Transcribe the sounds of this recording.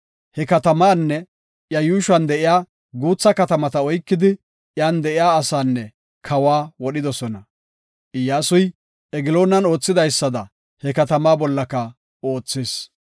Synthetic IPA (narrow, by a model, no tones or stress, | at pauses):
hɛkɐt̪ɐmaːnːɛ | jɐjuːʃɐnd̪ɛʔɪjaː | ɡuːt͡sːɐkɐt̪ɐmɐt̪ɐɔjkːɪd̪ɪ | jaːnd̪ɛʔɪjaːsaːnːɛ | kʰɐwaːwɔɗɪd̪ɔsɔnɐ | ʔɪjaːsʊj | ɛɡɪlo̞ːnɐno̞ːt͡sːɪd̪ɐjsːɐd̪ɐ | hɛkɐt̪ɐmaːbɔlːɐkɐ | oːt͡sːeːs